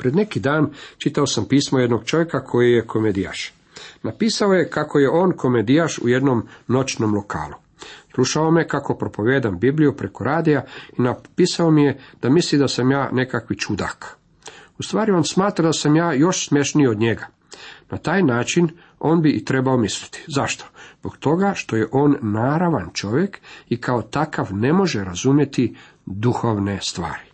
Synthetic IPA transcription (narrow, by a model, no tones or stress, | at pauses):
pɾed̪ne̞kid̪aːnt͡ʃit̪aosampiːsmoje̞d̪no̞ɡ̥t͡ʃo̞ʋjekakʰo̞jijekʰo̞med̪ija̰ʃ | napiːsaoje̞kakʰo̞je̞ʔo̞ːnkʰo̞med̪ijaʃṵje̞d̪nomno̞t͡ʃnomlˠo̞ka̰ːlu | sluʃao̞mekako̞pɾo̞po̞ʋeːd̪ambiblijupɾe̞ko̞ɾaːd̪ijainapiːsaomijed̪̥amislid̪asamjaːne̞kakʋit͡ʃud̪a̰k | ust̪ʋaːɾio̞ːnsmaːt̪ɾad̪asamjaːjo̞ʃsmʲjeʃniod̪ɲeɡa | nat̪aːjnaːt͡ʃin | o̞ːnbiʔit̪ɾebaomisli̥t̪i̥zaʃt̪o̥z̥bo̞kt̪o̞ɡaʃt̪o̞jeʔo̞ːnːaːɾaʋant͡ʃo̞ʋjekikʰao̞t̪akaʋne̞mo̞ʒeɾazumje̞t̪i | d̪uxo̞ʋne̞st̪ʋa̰ːɾi